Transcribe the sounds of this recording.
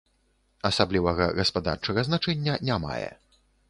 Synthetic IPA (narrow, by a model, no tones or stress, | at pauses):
ɐsablʲivɐɣɐɣɐspad̪a̰rt͡ʂɐɣɐznat͡ʂɛnʲːɐnʲama̰jɛ̰